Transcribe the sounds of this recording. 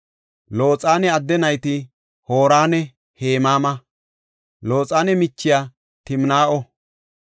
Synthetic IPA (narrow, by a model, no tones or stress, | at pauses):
lo̞ːt͡sʼaːnɛɐd̪ːɛnɐjt̪ɪ | hoːɾaːnɛ | heːmaːmɐ | lo̞ːt͡sʼaːnɛmɪt͡ʃːɪjaː | t̪ɪmnaːʔɔ